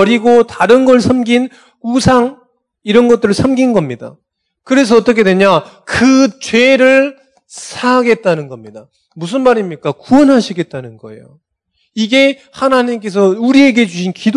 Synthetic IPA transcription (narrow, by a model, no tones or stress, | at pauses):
ʌɾiɡotaɾɯnɡʌɭsʰʌmɡin | usʰaŋ | iɾʌnɡʌt͈ɯɾɯɭsʰʌmɡinɡʌmɲida̰ | kɯɾe̞s̬ʰʌʌt͈ʌkʰe̞dweɲa | kɯt͡ɕwe̞ɾɯɭ | sʰaɡe̞t̚t͈anɯnɡʌmɲida | mus̬ʰɯnmaɾimɲik͈akuʌnɦaɕʰiɡe̞t̚t͈anɯnɡʌe̞̰jo̰ | iɡe̞ | hanaɲimk̬͈e̞s̬ʰʌuɾie̞ɡe̞d͡ʑuɕʰinkid